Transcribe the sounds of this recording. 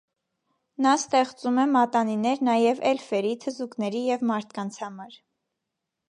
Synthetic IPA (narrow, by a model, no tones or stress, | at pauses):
nɑst̪ɛχt͡sumɛmɑt̪ɑninɛɾnɑjɛvɛlfɛɾit̪ʰəzuknɛɾijɛvmɑɾt̪ʰkɑnt͡sʰhɑmɑɾ